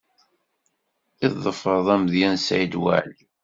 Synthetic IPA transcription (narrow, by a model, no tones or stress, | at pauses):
iððˤəfəɾˤðˤæmðjænsʕid̪wa̰ʕli